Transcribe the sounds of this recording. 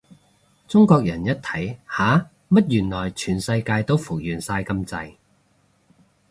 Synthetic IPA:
t͡sʊ˥ŋkɔː˧k̚jɐ˨˩njɐ˥t̚t̪ʰɐ˨˥jhaː˨˥ | mɐ˥t̚jyː˨˩nlɔː˨˩jt͡ʃʰyː˨˩nsɐ˧jkaː˧jt̪o˥wfʊ˨˩k̚jyː˨nsaː˧jkɐ˧mt͡sɐ˧j

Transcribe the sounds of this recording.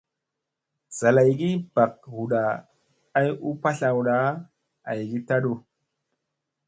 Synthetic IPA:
z̥a˨la˨jɡi˦b̥a˨k̚hu˨ɗaː˨˦ | ju˦pa˦ɬa˨wɗa˨˦ | a˨jɡi˦ta˦ɗo˦

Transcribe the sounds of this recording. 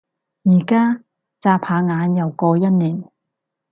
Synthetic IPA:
jiː˨˩kaː˥ | t͡saː˧pʰaː˨˧ŋaː˨˧˥njɐ˨wkɔː˧jɐ˥t̚niː˨˩n

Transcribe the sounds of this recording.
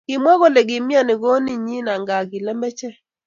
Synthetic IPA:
kɪ˨mwa˦ɣɔ˦lɛ˨ɣɪ˨mja˦˨nɪ˨ɣɔ˦ni˨ɲi˦na˨ŋɡa˨ɣi˨lɛ˦mbɛ˦t͡ʃɛ˦

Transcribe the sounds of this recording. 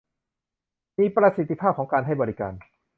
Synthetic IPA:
miː˧pɾa˧si˨˩t̪ʰːi˧pʰaː˥˩p̚ʰɔː˩˦ŋkaː˧nhɦa˥˩jbɔː˧ɾi˦˧ka̰ː˧n

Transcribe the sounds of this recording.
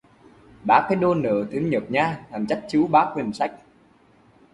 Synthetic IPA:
ɓaː˦˥kːaː˨˦jɗo˧nə̰ː˧˨t̪ʰɨ˨˦ŋɲə˨˩p̚ɲaː˧la˨˩mt͡ɕa˦˥jk̟̚t͡ɕɨ˨˦wɓaː˨˦˥k̚hï˨˩ŋ̟sa˦˥jk̟̚

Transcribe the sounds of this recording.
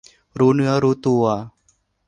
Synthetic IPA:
ɾuː˦nɯ˧ɐ˦ɾuː˦t̪u˧a˧

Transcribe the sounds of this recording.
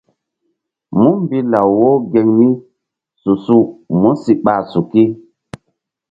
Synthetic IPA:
mu˦mmbi˦la˨wːo˦ɡe˨ŋni˦ | su˨su˦mu˦si˨ɓa˨su˨ki˦

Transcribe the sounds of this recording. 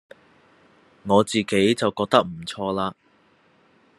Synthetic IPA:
ŋɔː˨˧t͡siː˨ke˨˥jt͡sɐ˨wkɔː˧k̚t̪ɐ˥k̚m̩˨˩t͡sʰɔː˧laː˧

